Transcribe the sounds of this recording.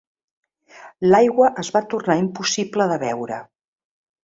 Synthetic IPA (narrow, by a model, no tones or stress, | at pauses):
lajɣwəʔəzβat̪urnaimpusipləðəβɛwɾə̰